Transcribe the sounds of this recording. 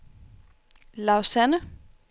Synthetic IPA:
laʊsænə

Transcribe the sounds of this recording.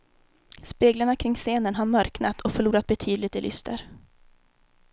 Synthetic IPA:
speːɡlaɳakʰɾɪŋːseːnənɦaɾmœɾknat̪ʰɔkfœɭuːɾat̪̚bɛt̪ʰyːd̪lɪt̪ɛlʔʏ̰st̪ʰə̰ɾ

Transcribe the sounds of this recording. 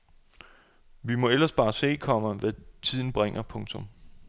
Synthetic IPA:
ʋimɒ̽el̰ɐsb̥ɑ̈ːse̝̰ːkʰɒ̽m̰ɐʋæt͡sʰið̞̰ˠn̩b̥ʁeŋ̰ɐpʰɔ̽ŋt͡sʰɔ̽m

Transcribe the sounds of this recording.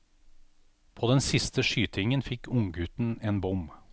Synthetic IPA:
pʰoːd̪ɛnsɪst̪əʃyːt̪ʰɪŋənfɪkʊŋɡʉt̪n̩eːnbʊm

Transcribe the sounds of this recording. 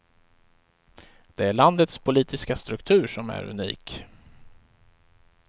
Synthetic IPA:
d̪̥ɛæɭand̪ət̪spʰʊliːt̪ɪskast̪ɾɵkt̪ʰʉ̟ːɾʂɔmæ̰ɾɵ̰nḭːk

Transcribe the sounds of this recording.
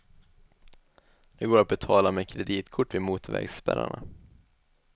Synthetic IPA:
d̪̥ɛɡoːɾat̪̚bɛt̪ʰɑːlamɛkʰɾɛd̪iːt̪kʰʊʈːvɪmuːt̪vɛ̰ɡspɛɾa̰ɳa

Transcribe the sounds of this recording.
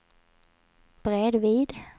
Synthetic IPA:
b̥ɾed̪viːd̪

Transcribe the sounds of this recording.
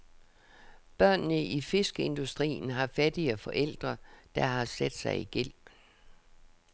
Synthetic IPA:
b̥ɶɐ̰nːəʔife̝sɡ̥əe̝nd̥usd̥ʁḭːn̩ɦɑ̈fæd̥iəfɒ̽ʔel̰d̥ʁɐd̥ɑ̈ɦɑ̈sæd̥sɑ̈ɪiɡ̥el̰

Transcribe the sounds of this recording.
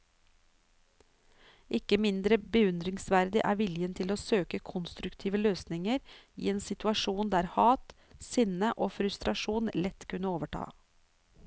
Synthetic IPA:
ʔɪkəmɪnd̪ɾəbəʉnd̪ɾɪŋsʋæɾd̪ɪʔæ̰ːɾʋɪljənt̪ʰɪloːsøːkəkʰʊnst̪ɾʉkt̪ʰiːʋəløːsnɪŋəɾḭːeːnsɪt̪ʉɑʃuːnd̪æːɾhɑːt̪ | sɪnəʔoːfɾʉst̪ɾɑʃuːnlɛt̪kʰʉnəoːʋəʈʰɑ̰ː

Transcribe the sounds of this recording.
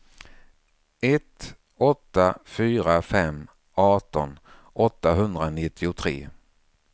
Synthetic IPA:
ɛt̪ | ɔt̪ːafyːɾafɛm | ɑːʈɔn | ɔt̪ːaɦɵnd̪ɾanɪt̪ʰːɪʊt̪ʰɾḛː

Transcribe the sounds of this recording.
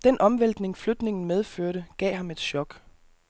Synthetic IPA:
d̥enʔɒ̽mʋel̰d̥ne̝ŋflød̥ne̝ŋn̩með̞ˠføɐɾəɡ̥ɛ̰ːɦɑ̈me̝d̥ɕɒ̽ɡ̥

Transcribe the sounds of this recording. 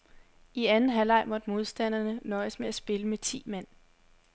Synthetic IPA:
iænn̩ɦælɑ̈ɪ̰mɒ̽d̥mo̝ð̞ˠsd̥æn̰ɐnənɒ̽ɪəsmeæsb̥e̝ləmet͡sʰḭːmæn̰

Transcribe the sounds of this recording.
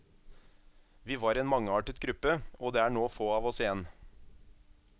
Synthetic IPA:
ʋiːʋɑːɾeːnmɑŋəɑːʈɪd̪̚ɡɾʉpəoːd̪eːæːɳoːfoːɑːʋɔsɪjɛn

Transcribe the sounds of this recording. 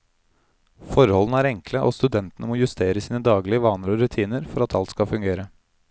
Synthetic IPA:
fɔɾhɔlnəæːɾɛŋkləʔoːst̪ʉd̪ɛnt̪ənəmoːjʉst̪ʰeːɾəsiːnəd̪ɑːɡlɪəʋɑːnəɾɔɾʉt̪ʰiːnəɾfɔɾɑt̪ʰɑlt̪skɑfʉŋɡeːɾə

